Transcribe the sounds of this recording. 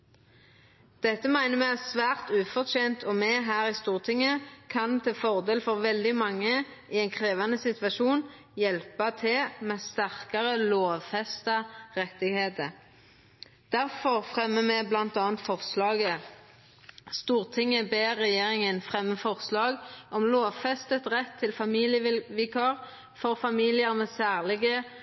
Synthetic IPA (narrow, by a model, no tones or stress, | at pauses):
d̪̥ɛt̪ːəmæɪnəmɛæsʋæːʁt̪ʉːfɔʁt̪ʰeːnt̪ʰɔmɛːɦæːʁɪst̪uːʁt̪ʰɪŋːəkʰɑnt̪ʰɛːfɔʁd̪eːlfɔʁʋɛld̪ɪmɑŋːə | ʔiɛɪnkʰʁeːʋɑnəsɪt̪ʋɑʃuːn | jɛlpɑt̪ʰɪlmɛst̪æʁkɑʁəloːʋfɛst̪ɑʁɛt̪ɪɡheːt̪ə | d̪̥æʁfɔʁfʁɛmːəmɛblɑnt̪ɑːnt̪fɔʁslɑːɡə | st̪uːʁt̪ʰɪŋːəbeːʁɛjeːʁɪŋənfʁɛmːəfɔʁslɑːɡʔɔmloːʋfɛst̪ət̪ʁɛt̪ʰːɪlfɑmiːlɪjəʋɪkʰɑʁ | fɔʁfɑmiːlɪəʁmɛsæːʁlɪɡə